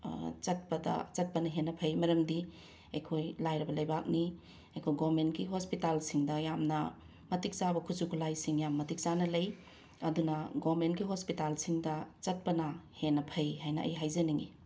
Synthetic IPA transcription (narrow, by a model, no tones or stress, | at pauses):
t͡ʃɐt̚pɐdɐ̰t͡ʃɐt̚pɐnɐɦenːɐpʰɐjmɐɾɐmdi | ejkʰojlajɾɐbɐlɐjbak̚ni | ɐjkʰojɡomentkiɦospitalsiŋdɐjamnɐ | mɐtik̚zabɐkʰuzukʰulajsiŋjamːɐtik̚zanɐlɐj | ɐdunɐɡomentɡiɦospitalsiŋdɐt͡ʃɐt̚pɐnɐhenɐpʰɐjɦajnɐʔɐ̰jɦajzɐniŋḭ